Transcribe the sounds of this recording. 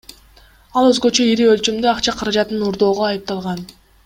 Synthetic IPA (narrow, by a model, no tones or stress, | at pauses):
ɑlˠøzɡø̞t͡ʃø̞iɾiø̞lt͡ʃymd̪øɑqt͡ʃɑqʰɑɾɑd͡ʒɑt̪nɯnuɾd̪o̞ːʁoɑjɯp̚t̪ɑlˠʁɑn